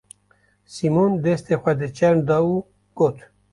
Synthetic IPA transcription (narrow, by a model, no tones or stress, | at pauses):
simond̪est̪exʷwad̪et͡ʃɛɾnd̪ɑu | ɡot̪ʰ